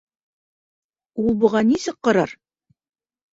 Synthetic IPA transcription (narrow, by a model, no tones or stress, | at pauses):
ulˠbŭʁɑnisɘqqɑ̆ɾɑɾ